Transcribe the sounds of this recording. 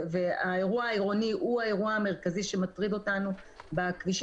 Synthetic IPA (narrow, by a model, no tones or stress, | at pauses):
veaeʁuaaiʁo̞niʔuae̞ʁuaame̞ʁkaziʃe̞matʁido̞tanubakviʃ